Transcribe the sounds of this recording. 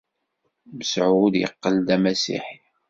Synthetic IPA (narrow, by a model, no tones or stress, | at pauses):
məsʕuðjə̰qːəld̪æmæsḭħ